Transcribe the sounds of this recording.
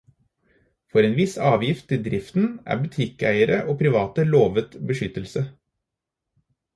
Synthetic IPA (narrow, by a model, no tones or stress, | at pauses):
fɔɾeːnʋɪsɑːʋjɪft̪ɪd̪ɾɪft̪n̩ʔæ̰ːbʉt̪ʰɪkæɪəɾəʔoːpʰɾɪʋɑːt̪əloːʋət̪bəʃʏt̪əl̩sə